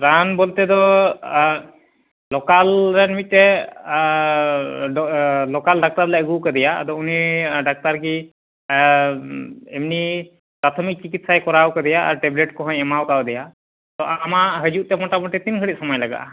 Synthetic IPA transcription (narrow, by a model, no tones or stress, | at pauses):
ɾanbɔlt̪ɛd̪ɔ | lɔkalɾɛnimit̪̚ˀt̪ɛ | lɔkalɖak̚t̪aɾlaəɡukad̪ɛjad̪ɔuniɖak̚t̪aɾki | ɛmni | pɾat̪ʰɔmik̚t͡ʃikit̪̚sajkɔɾawkad̪ɛjaʔa̰ɾʈɛbleʈkɔɦɔ̃ɲɛmawkawd̪ɛja | t̪ɔʔamaʔɦəd͡ʒuʔ̚t̪ɛmɔʈamɔʈɛt̪inkʰəɽit̪̚sɔmɔjlaɡa̰ʔ